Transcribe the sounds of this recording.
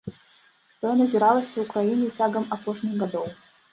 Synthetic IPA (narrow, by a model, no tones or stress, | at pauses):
toanazʲeɾalasʲukʼrajinʲejt͡sʰʼaɡamapʰoʂnʲikʼad̪ow